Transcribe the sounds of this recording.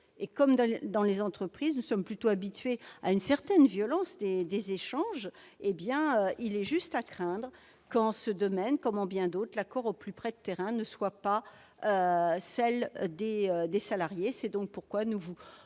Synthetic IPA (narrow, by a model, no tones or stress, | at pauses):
ekɔmd̪d̪ɑ̃lezɑ̃t̪χəpχiznusɔmplyt̪oabit̪ɥeaynsɛʁt̪ɛnvjɔlɑ̃sd̪ed̪ezeʃɑ̃ʒ | ebjɛ̃øilɛʒyst̪akχɛ̃d̪ʁ | kɑ̃səd̪ɔmɛnkɔmɑ̃bjɛ̃d̪ot̪χlakɔʁoplypχɛd̪ət̪eʁɛ̃nəswapa | øsɛld̪eød̪esalaʁjesɛd̪ɔ̃k̚puʁkwanuvu